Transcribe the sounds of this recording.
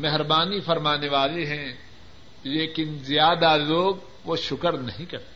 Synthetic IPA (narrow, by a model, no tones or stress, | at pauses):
mɛɦɾbaːnifɐɾmaːneʋaːleɦɛ̃ | leːkɪnzjaːd̪aloːɡ | ʋoʃʊkəɾnɐɦĩkɐɾt̪ː